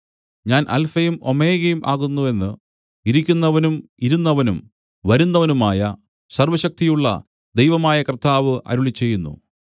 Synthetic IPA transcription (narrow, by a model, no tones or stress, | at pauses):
ɲaːnʔɐ̰lfɐjumo̞me̞ːɣɐjumʔaːɣunːue̞nːɨ | iɾikʲːunːɐʋɐnumiɾunːɐʋɐnum | ʋɐɾunːɐʋɐnumaːjɐ | sɐrʋɐɕɐk̚t̪ijuɭːɐ̰ | d̪e̞jʋɐmaːjɐkrt̪ʰːaːʋɨʔɐ̰ɾuɭit͡ɕːe̞jːunːṵ